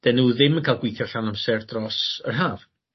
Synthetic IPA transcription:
d̥ɛnuːðɪmənkʰaːlˠɡwiθjɔrɬanamsɛrdrɔsərɦaːv̥

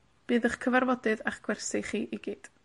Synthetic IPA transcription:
b̥ɨːðəχkʰəvarvɔdɨðaχɡ̥wɛrsɪχiːʔiɡiːd̥

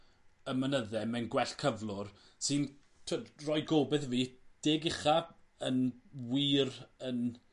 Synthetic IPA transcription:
əmənəðɛmɛnɡwɛɬkʰəvlˠʊr | sɪn | tʰɛrɔjɡoːbɛθviːd̥eːɡɪχa | ənwiːrən

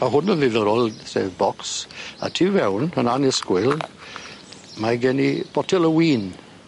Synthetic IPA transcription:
maɦʊnənðɪðəɾɔlˠsḛːvbɔksa̰tʰiːvɛwnənanɪskwɪlˠ | maɡɛnib̥ɔtʰɛlˠəwiːn

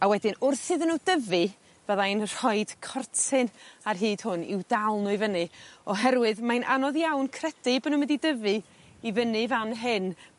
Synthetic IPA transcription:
awɛdɨnʊrθɨðənudəvɨ | vəðaɨnr̥ɔjd̥kʰɔrtʰɨnarɦɨːd̥hʊnɪ̰wdalˠnʊɨvənɨɔɦɛɾwɨðmanʔanɔðjawnkʰrɛd̥ɨbənumɪdidəvɨ | ivənɨvanɦɨn

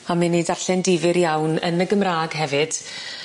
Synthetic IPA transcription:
amɪnidaɬɛndɪvɨɾjawnə̰nəɡəmraːɡɦɛvɨd̥

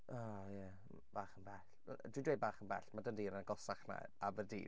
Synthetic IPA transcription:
ʔajɛ | b̥aːχənbɛɬ | dwidwej̚baːχənbɛ̰ɬmadəndiːɾənəɡɔsaχna̰ | avərdḭː

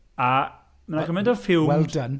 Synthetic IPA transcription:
a | manaɡəmɛ̃ndɔfɪlˠwɛldən

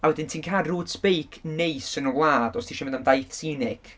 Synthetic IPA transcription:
awɛdɪntʰiːnkʰaːdruːd̥spejkʰnejsənəvlˠaːdɔstʰiʃɛməndamdajθsiːnɪɡ̥

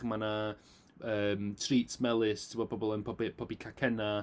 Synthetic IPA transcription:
mana | əːmtʰriːtʰmɛlˠɪstʰɪmɔd̚bɔbɔlˠənpʰɔbipʰɔbikʰakʰɛna

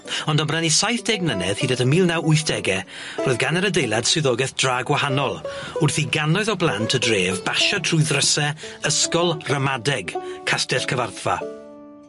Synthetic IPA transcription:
ɔndəmbranisajθd̥ɛɡnənɛð̥hiːdatəmiːlˠnawʊɨθd̥ɛɡɛ | roːðɡanəɾədejlˠad̥sɨðɔɡɛθd̥raːɡwahanɔlˠʊrθiɡanɔɨðɔblˠantʰədreːvbaʃatʰrʊɨðrəsɛəskɔlˠrəmadɛɡkʰastɛɬkʰəvarθva̰

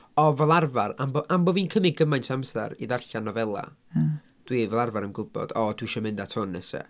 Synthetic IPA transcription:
ɔvɛlˠarvaramboʔamboːviːnkʰəmɪɡəmajntʰamsɛ̰ɾḭðarɬanɔvɛlˠa̰ | d̥wivɛlˠarvaɾənɡʊbɔ̰d̥ɔd̥wiʃɔmɪndatʰʊnːɛsɛ̰

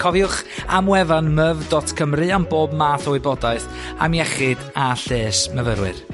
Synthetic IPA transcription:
kʰɔvjʊχamwɛvanməvdɔtʰkʰəmrɨamboːbmaːθɔwɪbɔdaɨθ | a̰mjɛχɨdaɬeːsməvəɾwɨ̰r

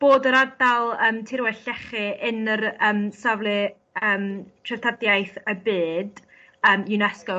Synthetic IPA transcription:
b̥oːdəɾadalˠəːmtʰɪɾwɛɬɛχɨʔɪnərəːmsavlˠɨ | əːmtʰrɛtʰadjajθəbɨːd̥ | əːmjunɛskɔ

